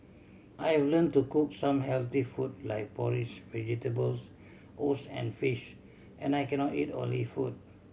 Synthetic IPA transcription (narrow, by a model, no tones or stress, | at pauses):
ʔajhɛvlə̃ntukuk̚sãmɦɛlt̪ifut̚la̰jk̚pɔɹid͡ʒvɛd͡ʒitəbəls | ʔosɛ̰̃nfiʃ | ʔɛ̃najkɛnɔtḭtɔ̰̃nlifut̚